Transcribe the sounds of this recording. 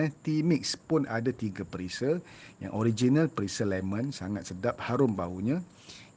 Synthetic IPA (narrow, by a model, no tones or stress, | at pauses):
t̪imik̚spʊnʔadat̪iɡapəɾisəja̰ŋʔoɾid͡ʒinalpəɾisəlɛmə̃nsaŋat̪̚sədap̚haɾʊmbauɲã